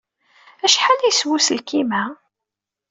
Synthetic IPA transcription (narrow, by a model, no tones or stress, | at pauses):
æʃħanæjswusəlkimæ